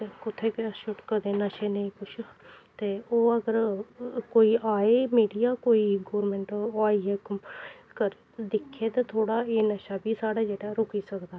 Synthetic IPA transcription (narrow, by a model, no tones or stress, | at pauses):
t̪ekʊt̪ʰːeːkːʃʊʈkəd̪eːnəʃeːneĩːkʊt͡ʃʰt̪eːoːəɡəɾkoːiːʔaːeːmiːɖijaːkoːiːɡoːɾmɛ̃ɳʈaːiːeːkkəɾ | d̪ɪkʰːeːt̪eːt̪ʰoːɽaːeːnəʃaːbiːsaːɽaːd͡ʒeːɽaːɾʊkiːsəkd̪aː